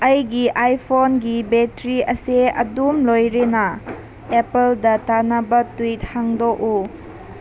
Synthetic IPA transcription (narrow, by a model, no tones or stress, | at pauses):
ɐjɡiʔajpʰonɡibetɾiɐseɐ̰dumlojɾenɐ | epeldɐtanɐbɐtwit̚haŋdok̚u